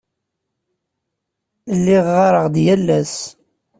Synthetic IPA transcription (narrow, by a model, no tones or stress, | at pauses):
lːɪʁːɑɾˤəʁd̪jælːæs